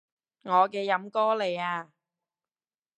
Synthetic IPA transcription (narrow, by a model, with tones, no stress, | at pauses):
ŋɔː˨˧kɛː˧jɐ˨˥mkɔː˥le˨jaː˧